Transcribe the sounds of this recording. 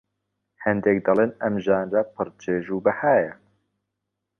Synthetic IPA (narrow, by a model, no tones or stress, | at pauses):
hɛnd̪ɛk̚d̪ɑleːnɛmʒaːnrapʰɨɾt͡ʃʰeːʒuːbɨhaːjɛ